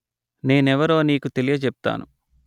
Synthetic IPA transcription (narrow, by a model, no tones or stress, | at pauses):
ne̞ːnɛʋɐɾo̞ːniːkut̪e̞lijɐt͡ʃɛp̚t̪a̰ːnu